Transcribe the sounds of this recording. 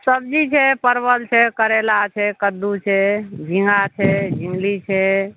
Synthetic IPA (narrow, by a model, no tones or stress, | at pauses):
səb̚d͡ʒit͡ʃʰɛpəɾbəlt͡ʃʰɛkəɾelat͡ʃʰɛkəd̪ːut͡ʃʰɛd͡ʒĩŋɡat͡ʃʰɛd͡ʒiŋɡlit͡ʃʰɛ